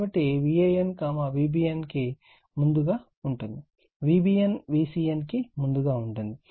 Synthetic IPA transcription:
bɐʈːiʋiejenkaːmɐʋiːbiːjenki | mund̪uɡaː | uɳʈund̪i | ʋiːbiːjenʋiːsiːjenkimund̪uɡaːuɳʈund̪i

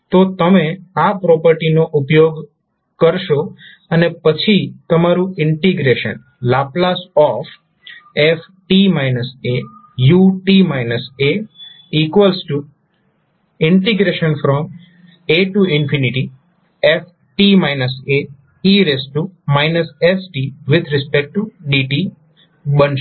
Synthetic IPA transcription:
t̪ot̪əmẽapɾɔpəɾʈinoʔupjoɡ | kəɾʃo | ənepət͡ʃʰit̪əmaɾũɪɳʈiɡɾeʃə̰n | laplasɔf | ef | ʈimajnəse | juʈimajnəse | ikʋəlsʈu | ɪɳʈiɡɾeʃənfɾɔm | eʈuɪnfʰiniʈi | ef | ʈimajnəse | iɾesʈumajnəsesʈiʋɪd̪ʱɾɪspek̚ʈuɖiʈi | bənʃ

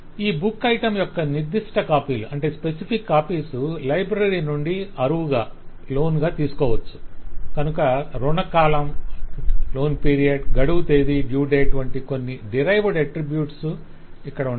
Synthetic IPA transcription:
iːbukːɐjʈɐmjɔkːɐniɾd̪iʂʈɐkaːpiːluʔɐɳʈe̞ːspe̞sipʰikːaːpiːsulɐjbɾɐɾinuɳɖiɐɾuʋuɡaː | lo̞ːnɡaːt̪iːsu̥kɔːʋɐt͡ʃːu̥kɐnukɐɾuɳɐkaːlɐm | lo̞ːnpiːɾijɐɖɡɐɽuʋut̪eːd̪iɖjuːɖeːɐʈuʋɐɳʈiko̞nːiɖiɾɐjʋɐɽɐʈɾibjuːʈsu | ikːɐɽɐu

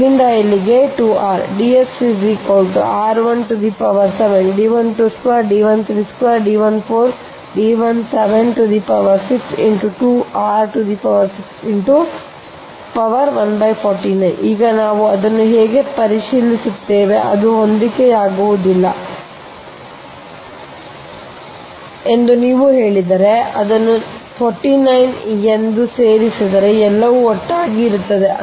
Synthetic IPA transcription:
inɖ̪ajiliɡe̞ʈuːaːɾɖiːesːid͡ʒiːkoːlʈaːɾʋɐnʈud̪iːpɐʋɐɾseʋenɖiːʋɐnʈuːskʋaːɾɖiːʋɐnt̪ʰɾiːskʋaːɾɖiːʋɐnpʰoːɾ | ɖiːʋɐnseʋenʈud̪iːpɐʋɐɾsiksḭɳʈuʈuːaːɾʈud̪iːpɐʋɐɾsiksiɳʈu | pɐʋɐɾʋɐnbɐjpʰɔːɾʈinɐjniːɡɐnaːʋuɐd̪ɐnːuɦeːɡe̞pɐɾiʃiːlisut̪ːeːʋe̞̰ʔɐ̰d̪uɦond̪ikeaːɡuʋud̪ilːɐ̰ | e̞nd̪uniːʋuɦe̞ːɭid̪ɐɾe̞ɐd̪ɐnːupʰoːɾʈinɐjnend̪use̞ːɾisid̪ɐɾe̞ɛlːɐʋuɔʈːaːɡiːɾut̪ːɐd̪e̞

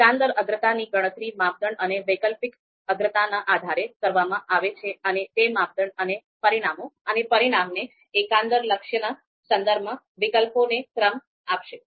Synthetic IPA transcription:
ãnd̪əɾəɡɾət̪aniɡəɽ̃ət̪ɾimap̚d̪ʱəɳəneʋəkəlpik | əɡɾət̪anãʔad̪ʱaɾekəɾʋamãʔaʋet͡ʃʰeənet̪emap̚d̪ʱəɳənepəɾiɽ̃amoənepəɾiɽ̃amneː | kãnd̪əɾləkʃjəna | sənd̪əɾbmã | ʋɪkəlponekɾəm | apʃe

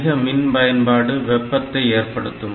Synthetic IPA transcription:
ɣɐmɪnpɐjɐnpaːɽɯʋɛpːɐt̪ːɐɪeːrpɐɽɯt̪ːɯm

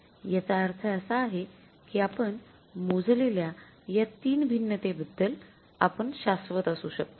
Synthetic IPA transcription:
jat͡saːɾt̪ʰəəsaːɦe | kiːapəɳ | mod͡zlelja | jat̪iːnbʱinːət̪ebəd̪ʱːəl | apəɳɕasʋət̪asuːɕək̚t̪o

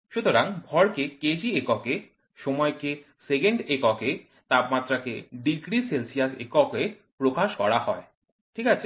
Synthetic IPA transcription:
ʃut̪oɾaŋbʱɔɾkeked͡ʑiekɔke | ʃɔmɔeke | sekeɳɖekɔke | t̪apmat̪ːɾakḛɖiɡɾiselsijasḛkɔke | pɾokaʃkɔɾahɔe | ʈʰikat͡ɕʰe

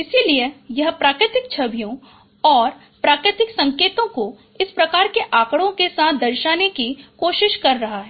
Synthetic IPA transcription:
ɪsiliejɐɦpɾaːkɾɪt̪ɪk̚t͡ʃʰɐbʱijõ | ɔːɾ | pɾaːkɾɪt̪ɪksɐ̃ŋkeːt̪õko | ɪspɾɐkaːɾkeʔaːkɽõkesaːt̪̚ʰd̪ɐɾʃaːnekikoːʃɪʃkɐɾːɐɦaɦɛː

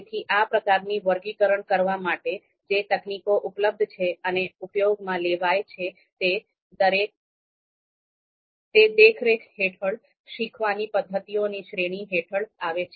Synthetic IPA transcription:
t̪ʰiʔapɾəkaɾniʋəɾɡikəɾəɳkəɾʋamaʈe | d͡ʒet̪əknikoʔupləb̚d̪ʱt͡ʃʰeəneupjoɡmãleʋajt͡ʃʰe | t̪e | əɾek̚ | t̪ed̪ekʰɾekɦeʈʰəɭ | ʃikʰʋanipəd̪ʱːət̪ioniʃɾeɽ̃iɦeʈʰəɭaʋet͡ʃʰe

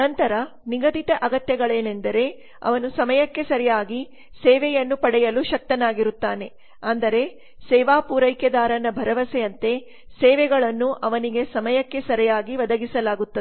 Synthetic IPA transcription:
nɐnt̪ɐɾɐ | niɡɐd̪iʈ̪ɐʔɐɡɐt̪jɐɡɐɭeːne̞nd̪ɐɾe̞ | ɐ̰ʋɐnusɐmɐjɐkːe̞sɐɾijaːɡi | sɛːʋɛjɐnːupɐɽɛjɐluʃɐk̚t̪ɐnaːɡiɾut̪ːaːne̞ | ɐnd̪ɐɾe̞ | sɛːʋaːpuːɾɐjkjɐd̪aːɾɐnɐbʱɐɾɐʋɐsɛjɐnt̪e̞ | sɛːʋɛɡɐɭɐnːuʔɐʋɐniɡe̞sɐmɐjɐkːe̞sɐɾijaːɡiʋɐd̪ɐɡisɐlaːɡut̪ːɐ

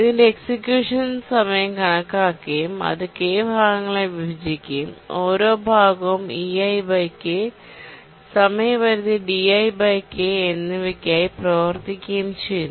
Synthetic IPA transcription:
iðindeeksikjuːʂɐnsɐmɐjɐmkɐɳɐkːaːkːejumɐ̰ðɨkeːbʱaːɡɐŋːɐɭeʋibʱɐd͡ʑikʲːɐjumo̞ːɾo̞ːbʱaːɡɐmiɐjbɐjkːe | sɐmɐjɐmʋɐɾuðiɖiɐjbɐjkːeenːɨʋikʲːaːjiprɐːʋɐrt̪ikʲːɐjumt͡ɕejunː

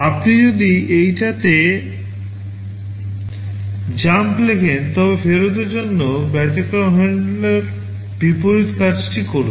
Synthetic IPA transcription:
apnid͡ʑod̪iejʈat̪e | d͡ʑamplekʰent̪ɔbefeɾot̪eɾd͡ʑonːobɛt̪ekɾaɦeɳɖleɾ | bipoɾit̪kad͡ʑʈikoɾṵn

